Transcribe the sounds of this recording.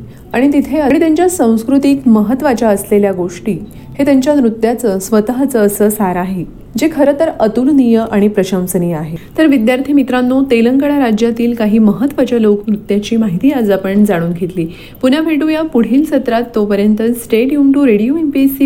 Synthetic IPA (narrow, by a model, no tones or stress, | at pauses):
aɽ̃it̪it̪ʰeəɽit̪jaɲt͡ɕjasə̃w̃skɾut̪ikməɦət̪ʋat͡ɕaəsleljaɡoʂʈiː | het̪jaɲt͡ɕjanɾut̪jat͡səsʋət̪ɦat͡səːsəːsaɾaɦe | d͡ʑekʰəɾət̪əɾət̪unnijəʔaɽ̃ipɾəɕə̃msəniːaɦet̪əɾʋid̪jaɾt̪ʰimit̪ɾãnːot̪eləŋkəɽaɾad͡ʑjat̪iːlkaɦiːməɦət̪ːʋat͡ɕalokʰnɾut̪jat͡ɕiːmaɦit̪iːad͡zapəɳd͡zaɽ̃uːnɡʱet̪liː | punjapʰeʈujapuɽ̤iːlsət̪ɾat̪ːopəɾjənt̪əsʈeʈiumʈuɾeɽijuenpisi